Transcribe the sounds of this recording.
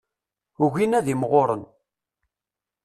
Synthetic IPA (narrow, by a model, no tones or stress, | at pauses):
uʝinæðimʁoɾˤə̰n